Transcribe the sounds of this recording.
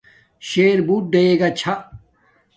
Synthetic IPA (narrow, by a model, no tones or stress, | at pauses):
ɕeːɾbuːʈ̚ɖeeːɡɐt͡ɕʰɐ